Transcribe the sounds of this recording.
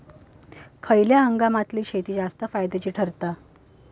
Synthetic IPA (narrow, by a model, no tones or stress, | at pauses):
kʰəjljaəŋɡamat̪liːɕʰet̪iːd͡zast̪əfajd̪et͡ɕiːʈʰəɾt̪a